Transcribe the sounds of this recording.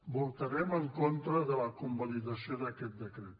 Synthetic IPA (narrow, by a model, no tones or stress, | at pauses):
bolˠt̪aɾeməŋkont̪ɾaðəlakumboliðasijod̪aket̪̚d̪əkɾet̪